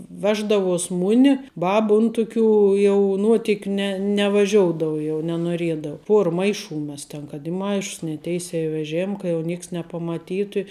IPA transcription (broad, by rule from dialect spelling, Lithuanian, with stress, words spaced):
ˈʋʲæːʒdɐʋuɔs ˈmʊnʲɪ ˈbɑːbɐ ˈʊn tʊˌkʲuː jɛʊ ˈnuɔtʲɪkʲʊ nʲɛ nʲɛʋɐˈʒʲoːʊdoːʊ jɛʊ nʲɛnuɔˈrʲiɛdɐʊ ˈpuɔr ˈmɐɪˌʃuː ˈmʲɛs tʲɛn kɐt ɪ ˈmɐɪʃs nʲɛ ˈtʲɛɪsʲɛː ɪ ʋʲɛˈʒʲeːm kɐ jɛʊ ˈnʲeːks nʲɛpɐmɐˈtʲiːtʊ ɪ